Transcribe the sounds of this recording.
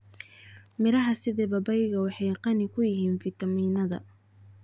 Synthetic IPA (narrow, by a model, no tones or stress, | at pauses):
mɪɾɐɦɐsɪðɛːbɐbɛjɣɐwɑħɑjqɑnɪkʰʊjɪɦiːnfɪt̪ʰɐmiːnɐðɐ̰